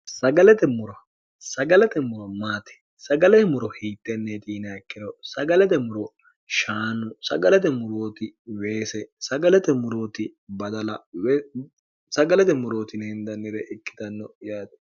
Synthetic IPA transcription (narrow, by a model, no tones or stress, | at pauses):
sɐɡɐlɛt̪ɛmʊɾɔ | sɐɡɐlɛt̪ɛmʊɾɔmaːt̪ɛ̥ | sɐɡɐlɛmʊɾɔhiːt̪ʼːɛnːɛt̪ʼiːnɐɐkːɪɾɔsɐɡɐlɛt̪ɛmʊɾɔ | ʃaːnʊsɐ̰ɡɐlɛt̪ɛmʊɾoːt̪ɪwe̞ːsɛsɐɡɐlɛt̪ɛmʊɾoːt̪ɪbɐd̪ɐlɐw | sɐɡɐlɛt̪ɛmʊɾoːt̪ɪnɛɪnd̪ɐnːɪɾɛʔɪkːɪ̥t̪ɐnːɔjaːd̪